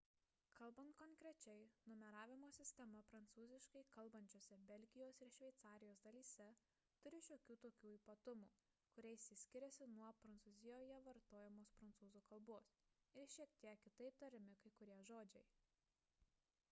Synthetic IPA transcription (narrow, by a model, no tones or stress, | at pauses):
kɐlˠˑbɐnt̪kɔŋkɾʲɛt͡ʃʲɛɪnʊmʲɛɾɑːʋʲɪmoːsʲɪsʲt̪ʲɛmɐpɾɐnt̪suːzʲɪʃkɐɪkɐlˠbɐnʲt͡ʃʲoːsʲɛbʲɛlʲɡʲɪjoːsɪɾʃʲʋʲɛɪt̪sɑːɾʲɪjoːsd̪ɐlʲiːsʲɛ | t̪ʊɾʲɪʃʲoːkʲuːt̪oːkʲuːiːpɐt̪ʊmuː | kʊɾʲɛɪsʲɪsʲkʲɪɾʲɛsʲɪnuɔpɾɐnt̪suːzʲɪjoːjɛʋɐɾt̪oːjɛmoːspɾɐnt̪suːzuːkɐlˠboːsɪɾʃʲiɛkt̪ʲiɛkʲːɪt̪ɐɪp̚t̪ɐɾʲɪmʲɪkɐɪkʊɾʲiɛʒoːd͡ʒʲɛɪ